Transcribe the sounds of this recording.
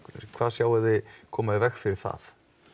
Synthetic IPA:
kʰv̥aːðsjaːwɛððɪkʰɔːmaɪvɛxfɪɾɪɾ̥θa̰θ

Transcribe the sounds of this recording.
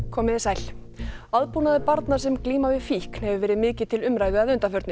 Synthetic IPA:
kʰɔːmɪðɪsajl̥ | aðpunaðɪpaɾt̪nḁs̬ɛmkliːmavɪfihkn̥hɛvʏvɛːɾɪðmɪːcɪ̥t̪ʰɪlʏmɾaːjðʏaðʏnt̪afœɾt̪nɪ

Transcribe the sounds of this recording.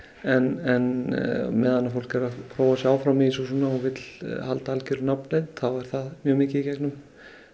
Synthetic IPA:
ɛnɛnmɛːðanafowl̥kɛɾakʰɾoːwasɛaːwfɾamiis̬ɔsuːnaɔɣvɪt̪lhalt̪aalcɪɾʏnapnejt̪θavaɾ̥θaðmjœːɣmɪːcɪðicɛknʏm

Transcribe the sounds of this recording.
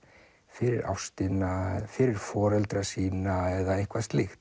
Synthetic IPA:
fɪɾɪɾa̰wfst̪ɪnafɪɾɪɾ̥fɔːɾɛlt̪ɾasiːnaɛðaɪhkvast̪lɪxt̪

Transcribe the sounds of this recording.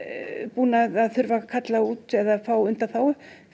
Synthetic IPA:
puːnaðaðθʏɾvakʰat̪lauːt̪ɛðaðfaːwʏnt̪aθaw

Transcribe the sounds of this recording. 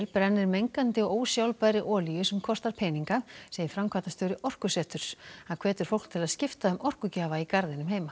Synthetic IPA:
lpɾɛnːɪɾmejŋkant̪ɪɔoːwsjawlpajɾɪʔɔːlijʏsɛmkʰɔst̪aɾ̥pʰɛːniŋkaseːjɪfɾamkʰvaːt̪ast̪œːwɾɪʔɔr̥kʏsɛːht̪ʏɾ̥aðkʰvɛːt̪ʏɾ̥fowl̥k̚t̪ʰɪlaðscɪft̪aðʏmʔɔr̥kʏcaːvaikaɾðɪnʏmheːjma

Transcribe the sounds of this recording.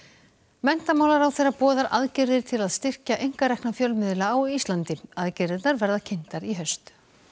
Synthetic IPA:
mɛn̥t̪amawlaɾawθejrːapɔːðaɾʔaðcɪɾðɪɾ̥t̪ʰɪlaðst̪ɪr̥caʔejŋ̥kaɾɛhknafjœlmɪðlaːwist̪lant̪ɪaðcɪɾðɪt̪naɾvɛɾðacʰɪn̥t̪aɾiɦœɥst̪

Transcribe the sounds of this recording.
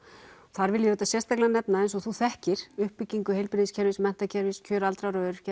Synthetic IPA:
θaɾvɪljʏœːt̪asjɛrst̪aklɪanɛpnaejnsɔɣθuθɛhcɪɾ̥ʏhpːɪcːiŋkʏɦejlpɾɪðiscʰɛɾvɪsmɛn̥t̪acʰɛɾvɪscʰœːɾalt̪ɾaɾœːðʏɾ̥c

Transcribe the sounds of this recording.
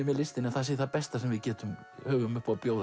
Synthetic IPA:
mɛlɪst̪ɪnaθas̬ɪθapɛst̪asɛmvɪðcɛːt̪ʏm | hœːɣʏmʏhpapjoːwð

